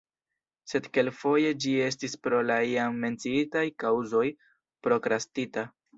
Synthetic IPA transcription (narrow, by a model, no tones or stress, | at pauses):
se̞dke̞lfo̞je̞d͡ʒie̞stispɾo̞laiaŋme̞nt͡siitajkawzo̞j | pɾo̞kɾastita